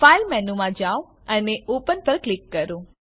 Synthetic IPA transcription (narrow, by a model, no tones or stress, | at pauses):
failmɛnumãd͡ʒaw | əneʔupənpəɾklɪkːəɾũ